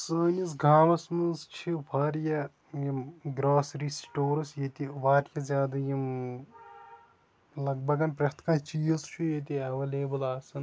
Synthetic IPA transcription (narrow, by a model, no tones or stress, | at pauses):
səːnʲisɡʱaːmɐsmɐst͡ʃʰiʋaːɾjɐ | jimɡɾaːsɾisʈoːɾɐsjet̪iʋaːɾʲjɐzʲjaːd̪ɐjim | lɐɡ̚bʱɐɡɐnpɾʲɐt̪kɐnt͡ʃiːɐzt͡ʃʰujet̪iɐʋɐleːbɐlaːsɐn